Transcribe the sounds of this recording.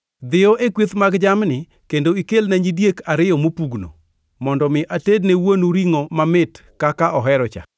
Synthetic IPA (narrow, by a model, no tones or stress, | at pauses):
d̪ɪɔʔekwet̪maɡd͡ʒamnɪ | kendoikelnaɲidjekaɾɪjɔmopuɡno̰ | mɔndɔmɪʔatednewonuɾiŋomamɪt | kakaʔɔɦɛɾɔt͡ʃa̰